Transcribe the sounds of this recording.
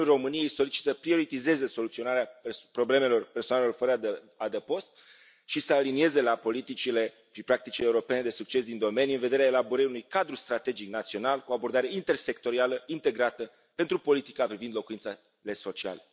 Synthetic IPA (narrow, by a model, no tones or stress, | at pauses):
uro̞mɨnije̞jso̞lit͡ʃi̥t̪səpɾio̞ɾit̪ize̞ze̞so̞lut̪sio̞naɾeapɾo̞ble̞me̞lo̞rpe̞rsonalelo̞rfəɾəd̪ | ad̪epo̞st̪̚ | ʃisəalinie̞ze̞lapo̞lit̪it͡ʃile̞ | ipɾak̚t̪it͡ʃileuɾo̞pe̞ne̞d̪e̞suk̚t͡ʃe̞sd̪ind̪o̞me̞nijuɨnve̞d̪e̞ɾeaelaboɾəɾiunujkad̪ɾust̪ɾat̪e̞d͡ʒiknat̪sio̞nalkuoabo̞rd̪aɾe̞int̪e̞rse̞kt̪o̞ɾialəint̪e̞ɡɾat̪ə | pent̪ɾupo̞lit̪i̥kapɾivind̪lo̞kuint̪sa | le̞so̞t͡ʃia̰lə